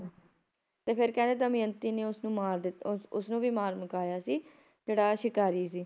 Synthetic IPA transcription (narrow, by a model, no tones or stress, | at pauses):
t̪eːpʰɪɾkɛ̃ːnd̪eːt̪amĩːənt̪iːneːʊsnũːmaːɾd̪ɪt̪ʊsnũːʋiːmaːɾməkaːjaːsiː | d͡ʒeːɽaːʃɪkaːɾiːs̬iː